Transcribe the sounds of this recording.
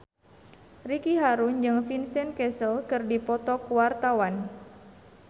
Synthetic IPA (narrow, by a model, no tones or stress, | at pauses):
rikiɦaɾund͡ʒɨŋfinsɛnkɛsəlkɨrdipɔt̪ɔkuwart̪awan